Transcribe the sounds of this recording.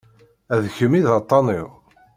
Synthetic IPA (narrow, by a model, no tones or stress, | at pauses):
æðçəmiðɑt̪ˤːɑniʁ